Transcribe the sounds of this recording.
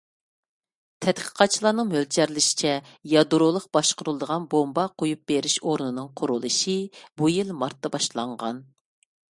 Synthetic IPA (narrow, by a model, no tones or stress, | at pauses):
t̪ʰɛt̪qʰə̥qʰɑt̪̚t͡ʃʰilˠɑːnɨŋmølt͡ʃʰɛɾlɪʃi̥t͡ʃʰɛ | jɑd̪uɾolˠəq̚bɑʃqʊɾulˠɨd̪əʁɑnbombɑqʰojup̚b̥eɾɪʃoɾnɨnɨŋqʰʊɾulˠɨʃibujilmɑɾt̪ːɑbɑʃlˠɑɴʁɑ̰n